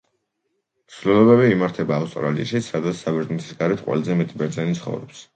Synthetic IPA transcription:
msvlɛlˠɔbɛbiːmaɾt̪ʰɛbaːfst̪ʼɔ̰ɾalḭʃisad̪at̪ssabɛɾznit̪ʰi̥sɡaɾɛt̪qʼwɛ̰lˠzɛmɛt̪ʼibɛɾt̪zʼɛnit̪sʰχɔ̰vɾɔ̰ps

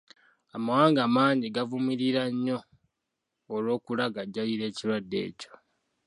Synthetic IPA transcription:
amawaːŋɡamaːɲɟiɡavumiɾiɾaɲːo̞ | lo̞ːkulaɡaɟːaliɾe̞ːciɾwadːe̞̰ːco̥

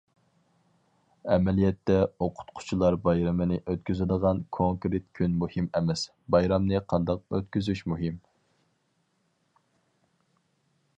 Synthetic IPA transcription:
ɛmɛlijɛt̪ːɛoqʰʊ̥t̪qʰʊ̥t͡ʃʰulˠɑɾbɑjɾɛmɨnɪʔøt̪̚kʲyzɪd̪əʁɑnkʰoŋkɾet̪̚kʲʰynmuhimɛmɛs | bɑjɾɑmnɨqʰɑnd̪ɑq̚øt̪̚kʲyzyʃmuɦɪm

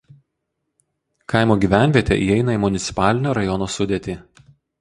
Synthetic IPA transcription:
kɑˑɪmoːɡʲiːˑʋʲæˑnʲʋʲiɛt̪ʲḛʔiːɛɪnɐiːmʊnʲɪt̪sʲɪ̥pɑːlʲɪnʲoːɾɐjɔnoːsʊd̪ʲet̪ʲiː

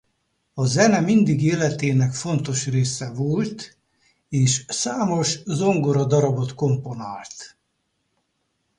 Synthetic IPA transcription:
ɒzɛnɛmind̪iɡeːlɛt̪eːnɛkfo̞nt̪o̞ʃreːsɛvolt̪ | eːʃsaːmo̞ʃzoŋɡoɾɒd̪ɒɾɒbo̞t̪ko̞mpo̞naːlt̪

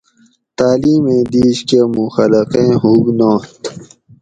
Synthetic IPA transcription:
t̪aːliːmẽːd̪iːɕkemũxɐlɐqẽːɦuɡnõːt̪

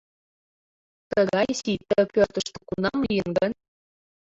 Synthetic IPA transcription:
t̪əɣɑjsit̪ːəpørt̪ə̆ʃt̪ə̥̆kunɑmlijənɡən

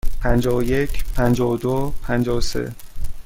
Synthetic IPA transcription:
pʰænd͡ʒɒːje̞cʰpʰænd͡ʒɒːd̪opʰænd͡ʒɒːosḛ

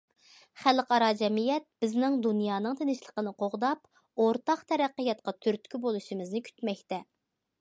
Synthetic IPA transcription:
χælqɑɾɑd͡ʒɛmijɛt̪̚b̥ɪznɪŋd̪unjɑːnɨŋt̪ʰenɪʃlˠə̥qənɨqoʁd̪ɑp | oɾt̪ɑqt̪ʰɛɾæqːəjɑt̪qɑt̪ʰyɾt̪kʲybolˠuʃimɨznɪkʲʰy̥t̪mɛkʲt̪ɛ

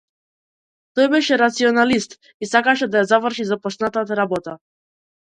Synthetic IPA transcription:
t̪ɔjbɛʃɛɾat̪siɔnalist̪ | isakaʃɛd̪ajazavr̩ʃizapɔsnat̪at̪aɾabɔt̪a

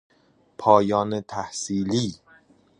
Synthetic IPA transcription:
pʰɒːjɒːnet̪ʰæhsiːliː

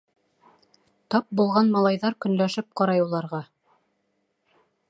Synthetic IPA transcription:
t̪ɑp̚bulˠʁɑnmɑlˠɑjðɑɾkɵ̆nlæʃɘp̚qɑɾɑjulˠɑɾʁɑ

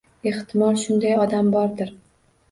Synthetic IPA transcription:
e̞ht̪ʰɪmɒlˠʃʊnd̪ajɒd̪ambɒɾd̪ɪɾ

